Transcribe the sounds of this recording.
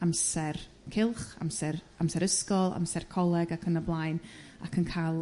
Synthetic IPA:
amsɛr | kʰɪlˠχa̰msɛr | amsɛɾəskɔlˠa̰msɛrkʰɔlˠɛɡakʰənəblˠaːjnakʰənkʰalˠ

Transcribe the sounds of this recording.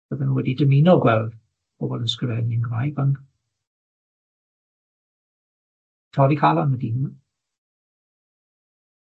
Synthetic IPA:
b̥əðənuwɛdidəmɪnɔɡwɛlˠð | b̥oːbɔlˠənskrəvɛniənɡvajban | tʰɔɾikʰalˠanwɛdin

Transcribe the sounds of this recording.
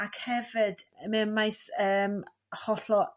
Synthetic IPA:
akhɛvɨdəmɛmajsəːm | hɔɬɔ

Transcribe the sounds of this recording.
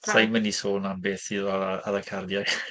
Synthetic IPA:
sajmənisoːnanbeːθiðɔaðakʰardjḁ

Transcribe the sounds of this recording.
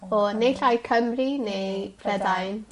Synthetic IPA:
ɔnejɬajkʰəmrinejpʰrɛdajn

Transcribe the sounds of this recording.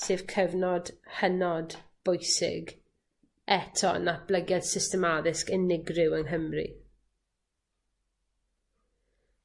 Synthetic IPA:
sɨv̥kʰəvnɔd̥hənɔdb̥ʊjsɪ̰ɡ | ɛtʰɔ̰nab̥ləɡjɛd̥sɪstɛmaðɪskɛnɪɡrɪwəŋɦəmrḭ

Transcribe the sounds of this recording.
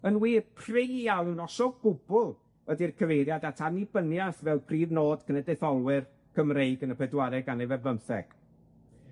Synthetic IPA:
ənwiːpʰrejawɪwnɔsɔɡʊbʊlˠ | ədirkʰəvejɾjadatʰanibənjaθvɛlˠpʰriːvnoːd̥kʰənɛdɛθɔlˠwɪr | kʰəmrejɡənəpʰɛdwaɾɛɡanevɛəmθɛ̰ɡ̥

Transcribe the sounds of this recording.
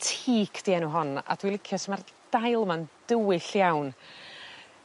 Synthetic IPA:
tʰiːkʰd̥iɛnuɦɔna̰d̥wilˠɪkʰjɔsəmard̥ajlˠmand̥əwɨɬjawn

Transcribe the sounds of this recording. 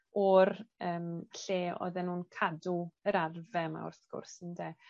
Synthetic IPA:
ɔrəːmɬeːɔ̰ðɛnːuːnkʰaduəɾarvɛma̰ʊ̰rθɡ̥ʊ̰rsəndɛ

